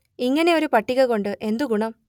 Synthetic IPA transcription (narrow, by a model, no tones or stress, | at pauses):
iŋːɐne̞o̞ɾupɐʈːiɣɐɭko̞ɳɖɨʔe̞nd̪uɡuɳɐm